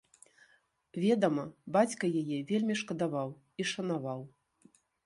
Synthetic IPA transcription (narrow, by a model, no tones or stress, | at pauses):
vʲɛd̪ɐmɐbat͡sʲkɐjajɛvʲelʲmʲiʂkɐd̪avaw | iʂɐnavaw